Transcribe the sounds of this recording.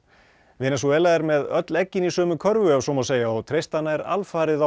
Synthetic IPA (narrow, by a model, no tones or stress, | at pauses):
vɪːnɛsɔvɛːlaðɛɾmɛðœt̪lɛcːɪnisœːmʏkʰœɾvʏavsɔːmawseːjaɔwt̪ʰɾejst̪anaɛɾa̰lfaːɾɪða